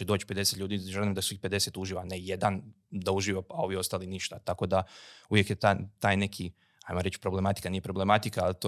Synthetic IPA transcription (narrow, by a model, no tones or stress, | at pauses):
ed̪oːt͡ʃi̥pe̞d̪eset̪ʎʲuːd̪iʒelimd̪asuixpe̞d̪e̞set̪uʒiːʋanejed̪an | d̪auʒiːʋoao̞ʋio̞st̪aːliniʃt̪at̪ako̞d̪auʋjekjet̪at̪aːjne̞kʰi | a̰jmoɾet͡ɕpɾo̞ble̞mat̪i̥kaniːje̞pɾo̞ble̞mat̪ikaːlt̪o